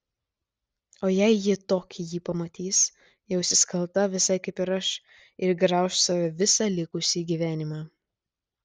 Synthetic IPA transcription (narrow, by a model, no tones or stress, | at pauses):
oːjɛɪjɪt̪oːkʲijiːpɐmɐt̪ʲiːs | jɛʊsʲɪskɐlˠt̪ɐʋʲɪsɐɪkɐɪpɪɾɐʃ | ɪɾɡɾɑˑʊʃsɐʋʲɛʋʲɪsɑːlʲɪkʊsʲiːɡʲiːʋʲæːnʲɪmɑː